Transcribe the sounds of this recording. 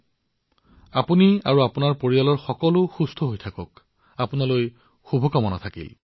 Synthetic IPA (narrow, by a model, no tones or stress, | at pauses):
apuniaɹuapunaɹpoɹijalɔɹxɔkɔlʊxust̪ʰɔɦojtʰakɔk̚ | apunaloj | xubʱɔkɔmɔna̰t̪ʰakḭl